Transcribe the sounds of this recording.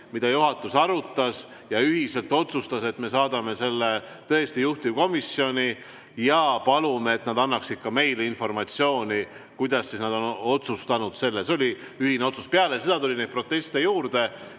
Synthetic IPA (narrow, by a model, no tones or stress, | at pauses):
mid̪ɑjuɦɑt̪ːˑusɑɾut̪ːˑɑs | jɑyɦise̞lt̪ˑo̞t̪sust̪ɑse̞t̪me̞sɑːd̪̥ɑme̞se̞lːe | t̪ɤ̞est̪ijuht̪ivko̞misjo̞nʲi | jɑpɑlumeːt̪nɑd̪ɑnːɑksid̪̥kːɑme̞jleinfo̞rmɑt̪sio̞ːnʲi | kujd̪ɑsːisnɑd̪o̞no̞t̪sust̪ɑnud̪̥se̞lːeseo̞lʲi | yhineo̞t̪su̥speɑlesed̪̥ɑt̪ulʲinejd̪̚pro̞t̪ːe̞st̪ejuːrd̪̥e̞